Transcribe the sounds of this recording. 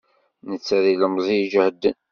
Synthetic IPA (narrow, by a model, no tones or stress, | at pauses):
nət͡sːæðiləmzˤid͡ʒəhəd̪ːən